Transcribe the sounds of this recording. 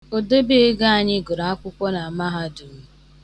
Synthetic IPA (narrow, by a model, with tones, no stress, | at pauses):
o˨do˦be˦e˦ɡa˦a˨ɲɪ˦ɡʊ˨ɾa˨a˦kʷʊ˦kʷɔ˦na˨a˨ma˦ɦa˦du˨˦